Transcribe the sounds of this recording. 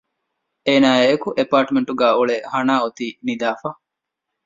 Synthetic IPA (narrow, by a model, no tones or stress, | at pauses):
eːnaːeːkuʔepaːɾʈmeɳʈuɡæːuɭehɐnaːut̪iːnid̪aːfa